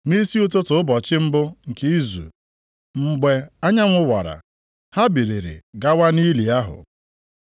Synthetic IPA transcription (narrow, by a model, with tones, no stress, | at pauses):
mi˦si˦ʊ˦tʊ˦tʊ˨ʊ˦bɔ˨t͡ʃɪ˦m̩˦bʊ˦ŋ̩˨ke˦i˦zṵ˨ | ŋ͡m̩˦ɡ͡be˦a˦ɲa˦ŋʷʊ˦wa˨ɾa̰˨ | ha˦bi˨ɾi˨ɾḛ˨ɡa˦wa˦ni˦li˨a˦ɦʊ̰˨